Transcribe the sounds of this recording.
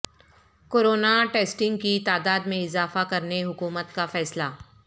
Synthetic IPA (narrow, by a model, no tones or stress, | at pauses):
koːɾoːnaʈeːsʈɪ̃ŋɡ̚kit̪aːd̪aːd̪mẽɪzaːfakɐɾneɦʊkuːmət̪kafɛːslaː